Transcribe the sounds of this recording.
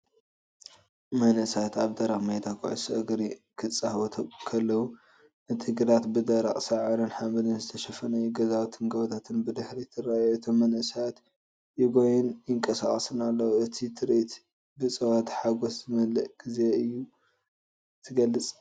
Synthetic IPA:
mɐnʔɨsat̪aβd̪ɐɾaχmɐjd̪akʰṵʕṵsɐɡɾikʰɨt͡sʼːahwɐt̪ʰɐkʰɐlːɐwu | ʔɨt̪ʰiɡɨɾat̪bɨd̪ɐɾa̰χʼsɐʕɨɾɨnħamɨlɨnzɨt̪ʰɐʃɐfɐnɐjuɡɐzawt̪ʰɨŋɡɐwt̪ʰat̪ʰɨnbɨd̪ɨħɾit̪ʰɨrajɨt̪ʰomːɐnʔɨsat̪ | jɪɡojunjɪŋkʼɐsaχʼɐsɨnalːɐwuʔɨt̪ʰit̪ʰɨɾit̪ | bɨt͡sʼɐwat̪ħaɡoszɨmɐlɐʔɡ̥ize̞ɨjːu | t̪ʰɨɡɐlːɨt͡sʼ

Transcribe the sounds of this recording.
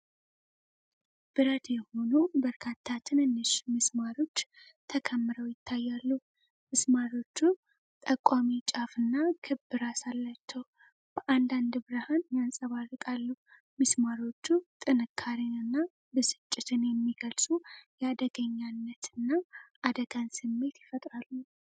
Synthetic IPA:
b̥ɨɾət̪jɛho̞nubəɾkʰat̪ʰːat̪ʰɨnɨnːɨʃmɨsmaɾo̞t͡ʃː | t̪ʰəkʰəmːɨɾəwjɪt̪ʰːajːalːu | mɨsmaɾo̞t͡ʃːu | t̪ʼəkʷʼwamit͡ʃʼafɨnːakʰɨbɨɾasalːat͡ʃːɛw | b̥əʔand̪and̪ɨbɨɾɨhanjansʼəβarɨkʼalːu | mɨsmaɾo̞t͡ʃːut̪ʼɨnɨkʰːaɾinɨnːa | bɨsɨ̥t͡ʃʼːɪt̪ʰɨnjɛmːiɡəlsʼujɛad̪əɡəɲːanːət̪ʰɨnːaʔad̪əɡansɨmːe̞t̪jɪfət̪ʼɾalːu

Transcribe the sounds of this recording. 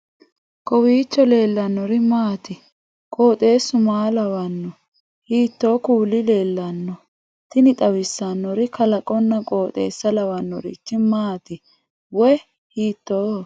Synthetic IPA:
kʼɔwiːt͡ʃːɔle̞ːlːɐnːɔɾɪmaːt̪ɪ | kʼo̞ːt̪ʼe̞ːsʊmaːlɐwɐnːɔ | hiːt̪ːo̞ːkuːlːɪle̞ːlːɐnːɔ | t̪ɪnɪt̪ʼɐwɪsːɐnːɔɾɪkɐlɐkʼɔnːɐkʼoːt̪ʼe̞̰ːsːɐlɐwɐnːɔɾɪ̰t͡ʃːɪmaːt̪ɪ | wɔj | hiːt̪ːoː

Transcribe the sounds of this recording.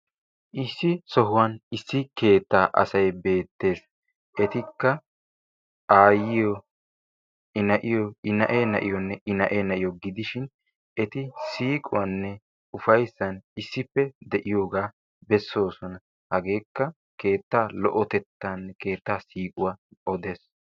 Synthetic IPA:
ʔɪsːɪsɔɦʊwɐnɪsːɪke̞ːt̪ːaːʔɐ̰sɐjbe̞ːt̪ːe̞ːs | ʔɛt̪ɪkːɐ | ʔaːjɪjɔ | ɪnɐʔɪjɔɪnɐʔenɐʔɪjɔnːɛʔɪnɐʔeːnɐʔɪjɔɡɪd̪ɪʃɪn | ɛt̪ɪsiːkʼʊwɐnːɛ | ʊfɐjsːɐnɪsːɪpːɛd̪ɛʔɪjoːɡaː | bɛsːo̞ːsɔnɐ | hɐɡe̞ːkːɐ | ke̞ːt̪ːaːlɔ̰ʔɔt̪ɛt̪ːanːɛke̞ːt̪ːaːsiːkʼʊwaːɔd̪e̞ːs

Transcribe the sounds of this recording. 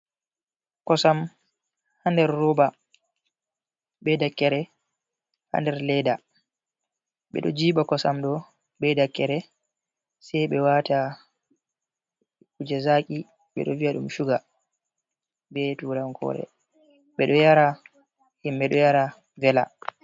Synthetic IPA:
kɔsam | handɛɾːɔːba | ɓɛdakːɛɾɛ | ha̰ndɛɾlɛda | ɓɛ̰ɗɔd͡ʒiːɓakɔsamɗɔ | ɓɛdakːɛɾɛ | sɛjɓɛwata | kud͡ʒɛzaːkʼi | ɓɛ̰ɗɔviaɗumʃuɡa | bɛtuɾamkʰɔ̰ɾɛ̰ | ɓɛɗɔjaɾa | himbɛɗɔjaɾa | vɛla̰

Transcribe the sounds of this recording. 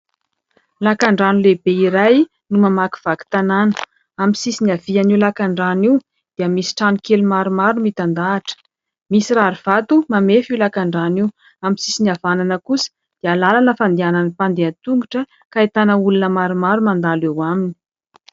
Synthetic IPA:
lakaɳɖ͡ʐanulebeiɾaj | numamaki̥v̥aki̥t̪ananə̥ | amisisiniav̥ianiulakaɳɖ͡ʐaniw | d̪̥iəmisi̥ʈ͡ʂanikelumaɾumaɾumit̪and̪aːʈ͡ʂə̥ | misiraɾuv̥at̪umamefiwlakaɳɖ͡ʐaniw | aminsisiniavananəkusə̥ | d̪̥ealalanəfand̪iananipand̪eant̪uŋɡuʈ͡ʂə | kait̪anəulunəmaɾumaɾumand̪alewamini̥

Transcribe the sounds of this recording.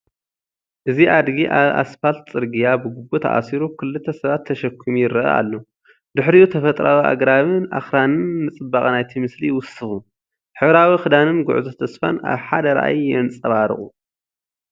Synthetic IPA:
ʔɨziʔad̪ɡiʔaβa̰sfalt̪t͡sʼɨɾɡijabɨɡubut̪ʰɐ̰ʔa̰siɾukʰɨlːɨt̪ʰːɐsɐβat̪ʰːɐʃɐkʰːɨmujɪɾɐʔɐ̰ʔa̰lːo | d̪ɨħɾiut̪ʰɐfɐt̪ʼɾʔawia̰ɡɾaβɨnʔa̰xɾanɨnːɨt͡sʼɨbːaχʼnajt̪ʰimɨslijwʊsːɨxu | ħɨβɾawixɨd̪anɨnɡʊ̰ʕzɐt̪ʰɐsfa̰nʔa̰βħad̪ɐɾa̰ʔa̰jːɛnt͡sʼɐβaɾɨ̰χʼu

